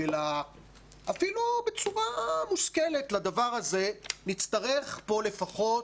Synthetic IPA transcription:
ela | afilube̞t͡suʁamuskelet̪lad̪avaʁaze̞nit͡st̪aʁe̞χpo̞le̞faχo̞t

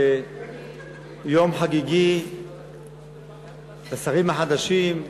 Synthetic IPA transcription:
e | jomħaɡiɡi | basaʁimaħad̪aʃim

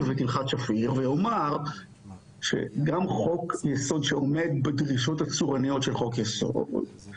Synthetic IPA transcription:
vet̪ilχatʃafiʁvejomaʁ | ʃḛɡamχo̞kjeso̞dʃeo̞me̞d̪̚bedʁiʃo̞t̪at͡suʁanijo̞tʃelχo̞kjeso̰dd

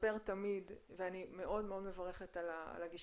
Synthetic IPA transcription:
beʁt̪amid̪veanime̞ʔo̞dmeo̞dmevaʁe̞χet̪ala̰laɡiʃ

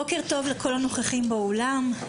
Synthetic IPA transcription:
okeʁt̪o̞vlekʰolano̞χaχimbeolam

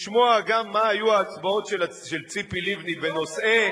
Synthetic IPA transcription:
ʃmoaɡamːaːjuaːt͡sbao̞tʃel | ʃelt͡sipilivniveno̞sʔe

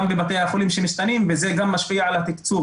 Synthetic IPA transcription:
mbebat̪̬ejhaχulimʃemiʃt̪animveze̞ɡamːaʃpiaʕalhat̪ikt͡su

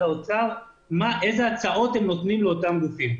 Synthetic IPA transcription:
aot͡saʁ | maʔe̞zeat͡saʔo̞t̪hemnot̪nimleot̪amɡufim

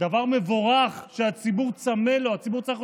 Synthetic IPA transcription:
d̪avaʁme̞voʁaχʃeat͡sibuʁt͡samelo̞at͡sibuʁt͡saʁiχ

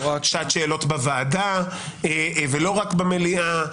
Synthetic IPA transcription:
akʃat̪ʃeːlo̞tbavaːda | evelo̞ʁakbemelia

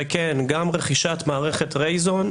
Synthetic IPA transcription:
ekenɡamʁeχiʃat̪maːʁeχet̪ʁejzon

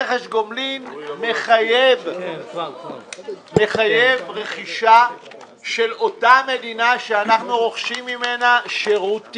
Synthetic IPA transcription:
eχeʃɡomlinme̞χajev | me̞χajevʁe̞χiʃa | ʃe̞lo̞tame̞d̪inaʃeanaχnuʁo̞χʃimːime̞naʃeʁut

